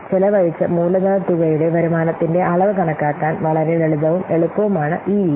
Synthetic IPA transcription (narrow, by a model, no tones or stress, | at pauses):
t͡ɕilɐʋɐɻit͡ɕːɐmuːlɐðat̪ːuɣɐjuɽe̞ʋɐɾumaːnɐt̪ːinde̞ʔɐɭɐʋɨkɐɳɐkːaːkːaːnʋɐɭɐɾeeɭuðɐʋume̞ɭupːɐʋumaːɳɨʔiː